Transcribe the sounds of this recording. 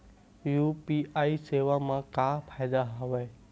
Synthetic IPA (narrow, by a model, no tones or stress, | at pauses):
juːpiːaːiseːʋamãkaːpʰaːɪd̪aɦoʋeː